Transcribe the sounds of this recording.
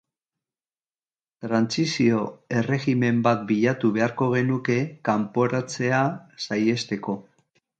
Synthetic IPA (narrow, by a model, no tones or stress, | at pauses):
t̪ɾant͡sisio̞e̞re̞ɣime̞mbat̪̚biʎat̪uβe̞aɾko̞ɣ̞e̞nuke̞kampo̞ɾat͡se̞asaje̞st̪e̞ko̞